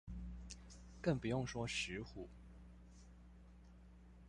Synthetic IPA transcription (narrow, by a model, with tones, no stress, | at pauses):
kə˥˩ŋpu˨˩jʊ˥˩ŋʂwɔ˥ʂɻ̩˧˥xu˥˩